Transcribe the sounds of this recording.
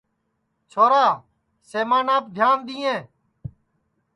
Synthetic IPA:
t͡ʃʰoːɾaː | seːmaːnãːpd̪ʱjaːnd̪iːẽː

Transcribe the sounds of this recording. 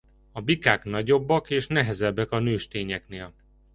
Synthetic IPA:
ɒbikaːknɒɟo̞bːɒkeːʃnɛɦɛzɛbːɛkɒnøːʃt̪eːɲɛkneːl

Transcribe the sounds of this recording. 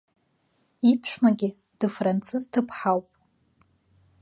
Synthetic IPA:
ipʰʃʷᶣmaɡʲɪ | d̥ɨfrant͡sʰɨztʰɨpʰħawpʼ

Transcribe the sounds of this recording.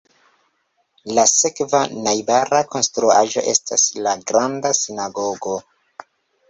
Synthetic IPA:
lase̞kvanajbaɾako̞nstɾua̰ʒo̞̰ʔe̞staslaɡɾandasinaɡoɡo̞

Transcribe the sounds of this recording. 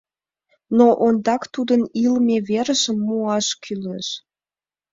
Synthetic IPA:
noʔond̪ɑkt̪ud̪ənilmeβeɾəʃəmːuɑʃkʰyleʃ

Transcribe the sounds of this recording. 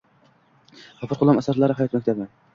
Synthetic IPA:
ɑfɨɾqʰʊlˠɑmæsaɾlˠɑɾɨhæjɑt̪mækʲt̪ʰabɪ

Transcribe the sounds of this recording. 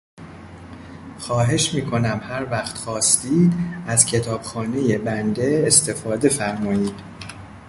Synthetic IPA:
xɒːɦe̞ʃmiːkʰo̞næmhæɾvæxt̪xɒːst̪iːd̪æzcʰe̞t̪ʰɒːb̥xɒːne̞je̞bænd̪e̞ːst̪ʰe̞fɒːd̪e̞fæɾmɒːiːd̪̥

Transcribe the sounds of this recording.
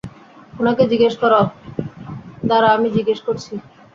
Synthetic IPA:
onaked͡ʑiɡeʃkɔɾa | d̪aɾaamid͡ʑiɡeʃkoɾt͡ɕʰi

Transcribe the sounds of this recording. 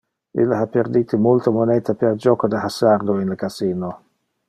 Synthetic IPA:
ḭlːapːerd̪iːt̪imolt̪omonɛt̪apeald͡ʒɔːkod̪ahasard̪oinləkasiːno

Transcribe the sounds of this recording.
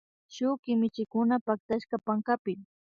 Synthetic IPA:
ʃʊkɪmɪt͡ʃɪkʊnapak̚t̪aʃkapaŋkapɪm

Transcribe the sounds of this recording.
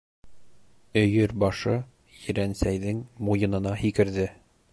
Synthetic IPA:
ɵ̆jɵɾbɑʃɤ | jɘ̆ɾænsæjðɘŋmujɤ̆nɤ̆nɑhikɘ̆ɾðɘ

